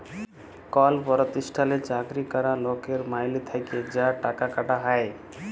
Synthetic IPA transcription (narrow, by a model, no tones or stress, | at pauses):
kɔlpɔɾot̪iʃʈʰalet͡ɕakɾikɔɾalokeɾmajlit̪ʰaked͡ʑaʈakakaʈaɦae